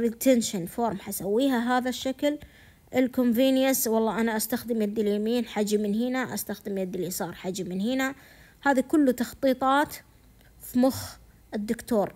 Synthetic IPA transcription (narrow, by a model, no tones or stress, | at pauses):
ɾit̪ʰɛnʃanfoːɾˤmħasawːiːɦaɦaːðaʃːakl | ɪlkomviːnjaswɑlˤːɑːʔanaʔast̪axd̪ɪmad̪ːɪljamiːnħad͡ʒmɪnɦiːnaʔa̰st̪axd̪ɪmjad̪ːɪlisˤɑːɾˤħad͡ʒmɪnhiːna | haːðikʊlːut̪ɑxt̪ˤiːt̪ˤɑːt̪ | fimʊx | ɪd̪ːʊkt̪oːɾ